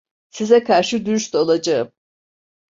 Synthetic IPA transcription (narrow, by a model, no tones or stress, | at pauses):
sizɛkʰaɾʃɯd̪yyʃt̪olˠad͡ʒaɯm